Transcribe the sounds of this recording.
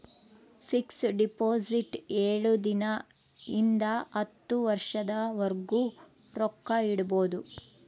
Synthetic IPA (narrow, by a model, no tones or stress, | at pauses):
pʰiksɖipoːsiʈeːɭud̪inɐ | ind̪ɐɐt̪ːuʋɐɾʂɐd̪ɐʋɐɾɡu | ɾɔkːɐiɽubo̞ːd̪u